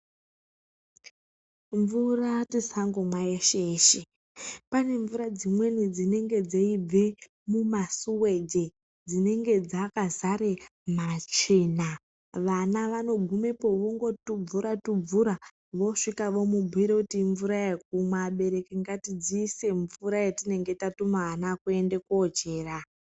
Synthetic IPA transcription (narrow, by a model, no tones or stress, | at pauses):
ɱvuratisaŋɡomwaeʃeːʃe | pane̞ɱvuɾad͡zimwe̞nid͡zine̞ŋɡe̞d͡zeib͡ve | mumasuwe̞d͡ʒe | d͡zine̞ŋɡe̞d͡zakazaɾemat͡ʃina | ʋanaʋano̞ɡʱumepo̞ʋoŋɡo̞tub͡vuɾatub͡vuɾa | ʋo̞ʂikaʋo̞mubʱuiɾokutiɱvuɾajek̚umwaɓe̞ɾe̞keŋɡatid͡ziːse̞ɱvuɾajetine̞ŋɡe̞tatumaɦːnakue̞nde̞kod͡ʒe̞ːra